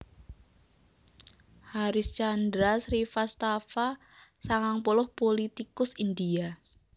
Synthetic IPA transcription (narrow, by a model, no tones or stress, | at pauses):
haɾɪst͡ʃand̪ɾasɾifast̪afa | saŋaŋpɔlɔhpolit̪ikʊsind̪ia